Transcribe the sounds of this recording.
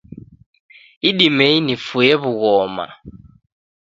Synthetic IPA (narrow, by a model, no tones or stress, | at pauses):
iɗimeinifujeβuɣɔːma̰